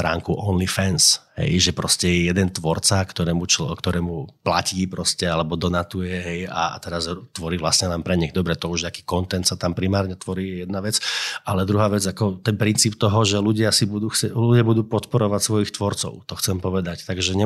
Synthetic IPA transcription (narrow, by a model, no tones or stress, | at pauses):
t̪ɾa̰ːŋkuʔɔnlifɛnsɦɛ̰jʒɛpɾɔscɛjɛjɛd̪ɛnt̪ʋɔɾt͡sakt̪ɔɾɛːmut͡ʃkt̪ɔɾɛːmuplaciːpɾɔscɛalɛbɔd̪ɔnat̪ujɛɦɛja̰t̪ɛɾazt̪ʋɔɾiːʋlasɲɛlɛmpɾɛɲɛɣd̪ɔbɾɛt̪ɔuʒakiːkɔnt̪ɛnt̪sat̪ampɾimaːɾɲɛt̪ʋɔɾiːjɛjɛd̪naʋɛt͡sʔalɛd̪ɾuɦaːʋɛd͡zakɔt̪ɛnpɾint͡siːpt̪ɔɦɔʒɛluɟɪasibud̪uːxɛluɟɪabud̪uːpɔt̪pɔɾɔʋacsʋɔjixt̪ʋɔɾt͡sɔ̰ʊt̪ɔxt͡sɛmpɔʋɛd̪act̪aɡʒɛɲɛ